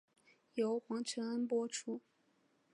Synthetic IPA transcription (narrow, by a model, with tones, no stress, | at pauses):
jo˧˥ʊxwɑ˧˥ŋʈ͡ʂʰə˧˥ŋa˥npwɔ˥ʈ͡ʂʰu˥